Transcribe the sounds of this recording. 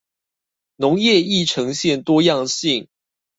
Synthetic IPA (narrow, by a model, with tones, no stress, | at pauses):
nɔ˨˦ŋjɛ˥˧i˥˨ʈ͡ʂʰɤ˧˥ŋɕjɛ˥˨nt̪wɔ˦˥jɑ˥˨ŋɕi˥˨ŋ